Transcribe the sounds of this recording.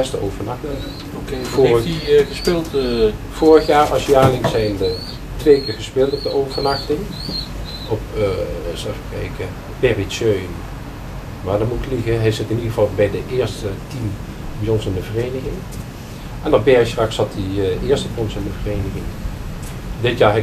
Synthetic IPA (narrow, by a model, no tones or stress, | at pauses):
ɛstəʔowvənɑxtə | okefiɣəspɪlˠt | v̥oːɹəxjaːɹɑsjaːlɪŋsɛjnə | tʋejkɪːɹχəspɪːlˠtɔpdəowvəɹnɑχtɪŋ | ɔp | safəkɛjkə | bɛrisøɥn | ʋaːdəmutkliɣəɦɛjsɪtɪniɣəvɑlˠbɛjdəʔɪːɹstətim | bijɔnsɪndəvərejnəɣɪŋ | ɛnɔbɛɹstrɑksɑtiɪːɹstəbjɔnsɪndəvərejnəɣɪŋ | dɪtjaːɹɦɛ